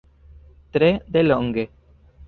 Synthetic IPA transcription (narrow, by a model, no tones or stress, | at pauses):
t̪ɾed̪eloŋɡe